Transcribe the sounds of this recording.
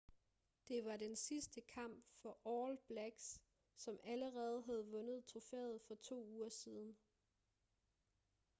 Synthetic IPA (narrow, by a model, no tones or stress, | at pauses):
d̥e̝ʋɑ̈densisd̥əkʰɑ̈m̰b̥fɒ̽ʔɒːlb̥læɡ̥s | sɒ̽mʔæləʁɛːð̞̩ˠɦæð̞̩ˠʋɔ̽nð̞̩ˠt͡sʰʁo̝fɛ̰ːð̞̩ˠfɒ̽t͡sʰo̝̰ːuːɐsiːð̞ˠn̩